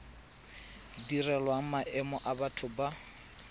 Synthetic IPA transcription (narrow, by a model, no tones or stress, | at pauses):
dirɛlwaŋ̩maʔɛmɔʔabatʰʊba